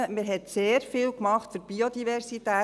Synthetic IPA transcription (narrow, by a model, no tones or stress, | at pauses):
əmɪɾɦɛtseːɾfiːlkmɑχtfyɾb̥iod̪ivɛɾsitæː